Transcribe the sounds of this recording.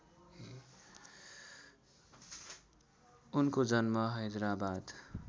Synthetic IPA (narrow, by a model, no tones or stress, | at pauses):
unkod͡zʌnmʌɦʌjd̪ɾabad̪